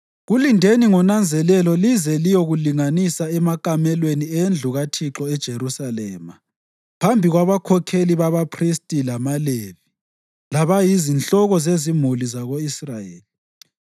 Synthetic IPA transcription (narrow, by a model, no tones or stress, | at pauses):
ɣulindʱeniŋɔnand͡zʱɛlɛlɔlizɛlijɔɣuliŋanisaɛmakʼamɛlweniend͡ɮʱuɣatʰiǁɔɛd̥ʒ̥ʱerusalɛ̰ːma | pʰambʱiɣwaβakʰɔkʰeliβaβapʰristʼilamaleβi | laβajizint͡ɬɔɣɔzezimulizaɣoisrajeːli